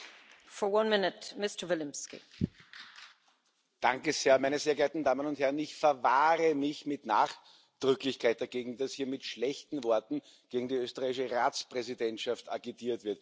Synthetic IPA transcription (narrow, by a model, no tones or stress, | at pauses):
fɔwʌ̃nmɪnətmɪstə˞vɪlɪ̃mskḭ | d̥ãŋkəz̥eːɐmæɪnəzeːɐɡɛɐtn̩daːmənʊnthɛɐʁənɪçfɛɐvaːʁəmɪçmɪtnaːχ | d̥ʁʏklɪçkʰaɪt̚d̥aɐɡeːɡŋ̩d̥ashiːɐmɪtʃlɛçtn̩vɔɐtn̩ | ɡ̥eːɡŋ̩diøːstəʁaɪɪʃəʁaːt͡spʁ̥ɛzidɛntʃafta̰ɡitʰiːɐtvɪɐt